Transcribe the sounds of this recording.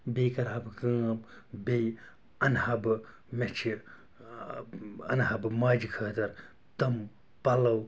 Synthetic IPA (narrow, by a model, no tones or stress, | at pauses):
bejkɐɾɦɐbkãːbbej | ɐnhɐbɨ | met͡ʃʰi | ɐ̰nɦɐbmaːd͡ʒikʰəːt̪ɐɾ | t̪ɐm | pɐlɐw